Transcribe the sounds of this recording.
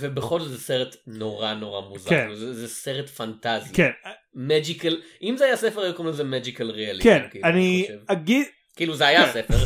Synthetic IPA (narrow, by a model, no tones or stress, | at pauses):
vebeχolzot̪zeseʁetnoʁano̞ʁa̰muzkaenzezeseʁetfantazikenmed͡ʒikalʔimzeajasefehajukomlezemed͡ʒikalʁealikenkanivaɡid | kiiːluzeajasefe